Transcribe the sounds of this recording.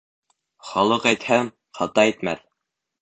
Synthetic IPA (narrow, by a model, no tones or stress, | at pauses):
χɑlˠɤqæjt̪hæm | χɑt̪ɑæjt̪mæ̰θ